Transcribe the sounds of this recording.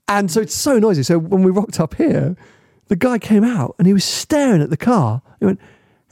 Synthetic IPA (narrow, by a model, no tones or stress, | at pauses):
ə̃nsoʊɪtsəʊnɔɪzisoʊwə̃nwiɹɒk̚tʰʌphiə | ðɨɡaɪkʰẽɪ̃maʊtə̃niwʌz̥stɛːɹɪ̃ŋəʔ̪ðəkʰɑːə̃niwɛ̃nt̚